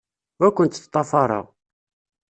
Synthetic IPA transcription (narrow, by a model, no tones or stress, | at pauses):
wækʷːənt̪θt̪ˤːɑfɑɾˤə̰ʁ